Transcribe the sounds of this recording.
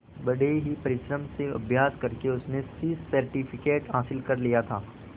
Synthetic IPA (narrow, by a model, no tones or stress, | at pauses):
bɐɽeɦipɐɾɪʃɾəmseɐ̰bʱjaːskɐɾkeʊsnesissɐɾʈifʰɪkeːʈɦaːsɪlkɐɾlijat̪ʰaː